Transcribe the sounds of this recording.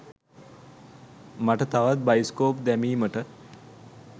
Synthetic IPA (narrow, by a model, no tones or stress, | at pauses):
maʈət̪aʋat̪̚bajiskoːpd̪ɛmiːməʈə